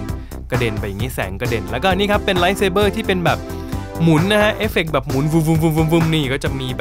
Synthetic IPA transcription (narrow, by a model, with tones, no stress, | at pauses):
ka˧de˧nba˧˩ja˨˩ŋːi˦˥˩sɛ̰ː˩˦ŋka˧de˧nlɛː˦˥wkɔː˥˩niː˥˩kʰa˦˥pːe˧nla˦˥jseː˧bɤː˥˩t̪ʰiː˥˩pe˧nbɛː˨˩p̚ | mu˨˩˦nːa˦˥hʰa˦˥ʔeː˦˥fe˨˩k̚bɛː˨˩p̚mu˩˦nwu˧mvu˧mvu˧mvu˧mvu˧mniː˧˩kɔː˥˩t͡ɕa˨˩miː˧bɛ˨˩